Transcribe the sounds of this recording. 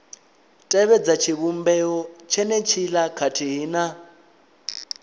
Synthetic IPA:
tʼɛβɛd͡zat͡ʃʰiβumbɛɔt͡ʃʰɛnɛt͡ʃʰilakʰatʰiɦiːna

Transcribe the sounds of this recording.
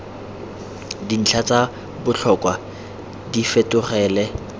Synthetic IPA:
din̩t͡ɬʰat͡sʼa | bʊt͡ɬʰɔkʼwa | difetʊχɛːlɛ

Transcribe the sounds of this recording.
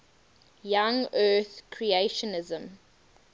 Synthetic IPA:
jãŋɜːθkʰɹieʃɔnɪzə̃m

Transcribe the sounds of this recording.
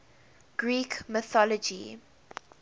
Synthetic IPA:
ɡ̥ɹiːkməθɔlɔd͡ʒḭ

